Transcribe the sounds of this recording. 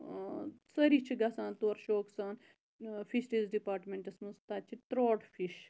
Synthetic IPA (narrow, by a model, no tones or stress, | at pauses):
sɐɾiːt͡ʃʰiɡɐsãːnt̪oːɾʃoːksaːn | fʰisʈizɖipaːɾʈmeɳʈɐsmɐnst̪at͡ʃʰit̪ɾoːʈfʰiʃ